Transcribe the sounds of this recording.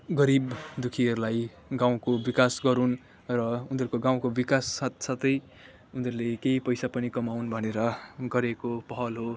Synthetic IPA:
ɡʌɾibd̪ukʰiʌɾulaj | ɡaw̃kobikasɡʌɾun | rʌund̪ʌɾukoɡaw̃kobikasːat̪sat̪ʌj | und̪ʌɾulekeipʌjsapʌnikʌmawnbʱʌneɾʌɡʌɾekopʌɦʌlɦo

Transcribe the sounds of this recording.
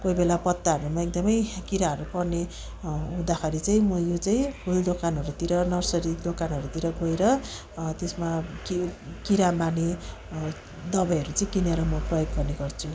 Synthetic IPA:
kojbelapʌt̪ːaɦʌɾumaek̚d̪ʌmʌjkiɾaʌɾupʌrne | ũd̪axʰaɾit͡saĩmʌjot͡saĩbuld̪okanɦʌɾut̪iɾʌnʌrsʌɾid̪okanʌɾut̪iɾʌɡoeɾʌ | t̪esmakikiɾamani | d̪ʌbʌjʌɾut͡saĩkineɾʌmʌprʌjoɡːʌrneɡʌrt͡sʰu

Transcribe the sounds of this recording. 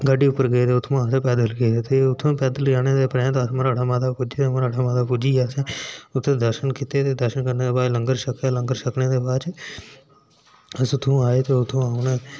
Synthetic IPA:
ɡəɖiːʊpːəɾɡəeːd̪eːʊt̪ʰːõːaːseːpɛːd̪əlɡeːd̪eːt̪eʊt̪ʰːõːpɛːd̪əlɡaːneːd̪eːpɾɛ̃ːt̪ːsmaːɾaːɽaːmaːd̪aːpʊd͡ʒiːt̪mːɾaɽaːmaːd̪aːpud͡ʒiːaːsẽːʊt̪ʰːẽːd̪əɾʃənkɪt̪et̪eːd̪əɾʃənkəɾneːd̪eːbaːd͡ʒləŋɡəɾʃəkeːlə̃ŋɡəɾʃəkneːd̪eːbaːt͡ʃ | əsʊt̪ʰːõːaːeːt̪eːʊt̪ʰːõːaːʊneː

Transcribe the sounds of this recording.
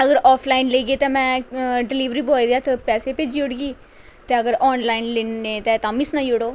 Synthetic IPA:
əɡəɾɔːpʰlaːɪnleːɡeːt̪ãːmɛ̃ːɖɪliːʋɾiːbɔːid̪jaːt̪pɛːseːpeːd͡ʒiːʊɽɡiː | t̪eːəɡəɾɔːnlaːɪnleːnneːt̪eːt̪ãːmɪsnaːioɽoː

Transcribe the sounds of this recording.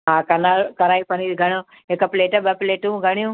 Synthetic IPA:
ɦãːkɐnaɾkɐnaːipɐniːɾɡʱɐɽ̃o | ekɐpleːʈɐbɐpleːʈũɡʱɐɽ̃ijũ

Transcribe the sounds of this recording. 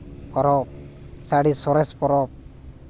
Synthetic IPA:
kɔɾɔsaɽisɔɾespɔɾɔ

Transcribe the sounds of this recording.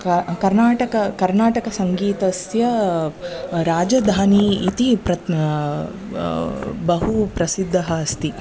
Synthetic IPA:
kkɐɾnaːʈɐkɐkɐɾnaːʈɐkɐsɐŋɡiːt̪ɐsjɐ | ɾaːd͡ʒɐd̪ʱaːniit̪ipɾɐ | bɐɦupɾɐsid̪ʱːɐɦɐɐst̪i

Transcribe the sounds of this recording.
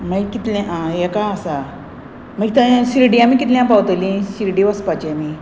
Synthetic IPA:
məikit̪lãʔãjekaəsa | məɡit̪aɕiɾɖiamikit̪ljãpawt̪lĩɕiɾɖiʋəspat͡ɕiami

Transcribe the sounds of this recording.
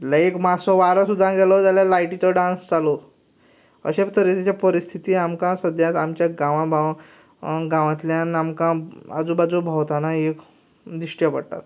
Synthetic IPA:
laekmasɔʋaɾãsud̪ʱːãɡɛlɔt̪jaljalajʈit͡sɔɖãnsd͡zalo | ə̰ɕept̪ʰəɾet̪it͡ɕjapəɾist̪ʰit̪iːamkãsəd̪ʱjat̪amt͡ɕjaɡãʋãbʱaʋã | ɡãʋãt̪ljãnamkãa̰d͡zubad͡zubʱawt̪anaek | d̪ɾiɕʈjapə̰ɽʈa̰t̪

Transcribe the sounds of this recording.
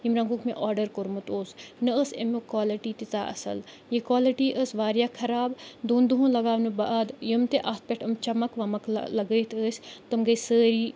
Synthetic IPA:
jimɾɐ̃ŋɡukmḛ̃ʔaːɾɖəɾkoɾmut̪oːsnɨəsemukwaːliʈiːt̪it̪a̰ːʔɐ̰sɐ̰l | jekwaːliʈiːʔəsʋaːɾjaːkʰɐɾaːbd̪oːnd̪uɦũːlɐɡaːʋnɨbaʔd̪jəmt̪eʔaːt̪̚ʰpeʈʰəmt͡ʃɐmɐkʋɐmɐklɐɡət̪ʰəːsʲt̪ɨmɡəjsəːɾiː

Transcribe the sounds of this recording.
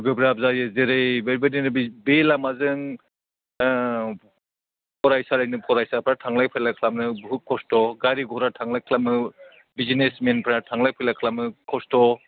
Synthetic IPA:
ɡɯbɾab̚zaɾjɯzeɾejbeɾbeninɯbelamazɯŋ | pʰɔɾajsalajnɯpʰɔɾajsapʰɾatʰaŋlajpʰajlakʰlamnɯbukʰːɔstɔɡaɾiɡɔɾatʰaŋlajkʰlamɯ | bizinesmenpʰɾatʰaŋlajpʰajlakʰlamɯkʰɔstɔ

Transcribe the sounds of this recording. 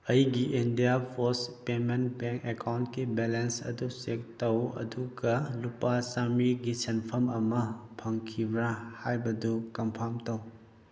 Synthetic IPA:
ɐjɡiʔindijapʰoɾspementbeŋkekʰawntkibelensɐ̰dusek̚tɐwɐ̰duɡɐlupasamiɡisenpʰɐmɐmɐpʰɐŋkʰibɾahajbɐdukɐmpʰamtɐw

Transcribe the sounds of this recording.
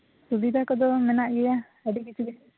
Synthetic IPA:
subid̪ʱakɔd̪ɔmɛnaʔɡɛja | ɛɖik̬it͡ʃʰubi

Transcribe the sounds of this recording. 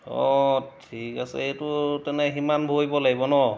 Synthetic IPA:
ɔ̰tʰikasɛ̰etutɛnɛɦimanbʱojbɔlaɡibɔnɔ

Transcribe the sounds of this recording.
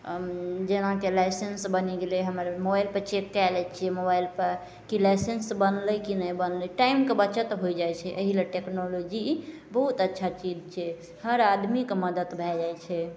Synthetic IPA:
d͡ʒenãkelajsensbəniɡeleɦəməɾmobailpəɾt͡ʃekːalɛt͡ʃʰiɛmobajlpəɾ | kilajsensbənləkinəjbənlɛʈaimkebət͡ʃət̪ɦojd͡ʒajt͡ʃʰɛʔəɦileʈeknolod͡ʒi | bəɦut̪ətːʃʰat͡ʃid͡ʒt͡ʃʰɛ | həɾad̪mikeməd̪ət̪bʱɛd͡ʒajt͡ʃʰɛ

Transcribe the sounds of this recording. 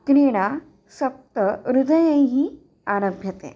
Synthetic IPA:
kɾiɽ̃a | səp̚t̪əɾud̪əjə̃ɦiː | aɾə̃bʱjət̪ḛ̃

